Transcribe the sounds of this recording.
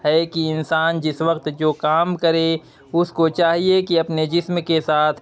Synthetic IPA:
ɦɛkiɪnsaːnd͡ʒɪsʋəkt̪d͡ʒoːkaːmkɐɾe | ʊskot͡ʃaːɦiekiɐpned͡ʒɪsmkesaːt̪ʰ

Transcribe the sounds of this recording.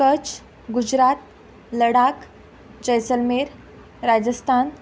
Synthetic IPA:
kət͡ɕ | ɡud͡ʑɾat̪̚ | ləɽak | d͡ʑəjsəlmeɾ | ɾad͡ʑəst̪ʰan

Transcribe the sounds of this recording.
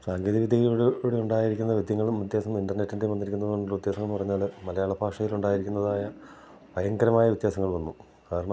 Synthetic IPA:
saːŋɡeːðɐʋid̪ʱjɐɣiluɽeuɳɖaːjiɾikʲːunːɐʋid̪ʱjɐŋːɐɭumit̪jaːsɐŋinɖɐrnetːindeʋɐnːiɾikʲːunːɐðoɳːʋit̪jaːsɐŋːɐɭnpɐrɐɲːaːlmɐlɐjaːɭɐbʱaːkʂɐjiluɳɖaːjiɾikʲːunːɐðaːjɐ | pɐjɐŋɡɐɾɐmaːjɐʋit̪jaːsɐŋːɐɭʋɐnːu | kaːɾɐɳɐ

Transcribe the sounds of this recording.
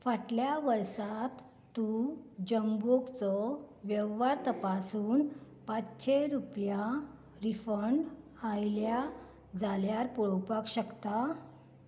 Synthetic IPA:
faʈljaʋəɾsat̪ː | ud͡ʑəmboɡt͡sɔʋjəʋʋaɾt̪əpasuːn | pat͡sɕeɾupja | ɾifəɳɖ | ajlja | d͡zaljaɾpuɭɔwpakɕəkt̪a

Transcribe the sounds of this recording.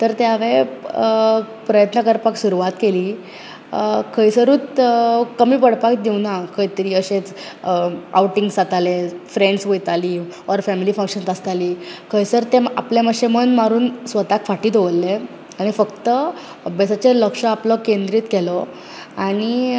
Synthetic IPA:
t̪əɾt̪eaʋe | pɾəjət̪nəkəɾpaksuɾuʋat̪keliː | kʰəjsəɾuːt̪kəmiːpəɽpakd̪ewnakʰəjt̪əɾiːəɕet͡s | a̰wʈiŋɡsat̪alefɾeɳɖsʋojt̪aliːɔɾfæmilifə̃ŋkɕənsast̪aliːkʰəjsəɾt̪ea̰pleməɕemənmaɾuːnsʋət̪akfaʈiːt̪oʋəlːe | aɽ̃ifəkt̪ə | əbjəsat͡ɕeləkʂəaplɔkend̪ɾiːt̪kɛlɔ | aɽ̃i

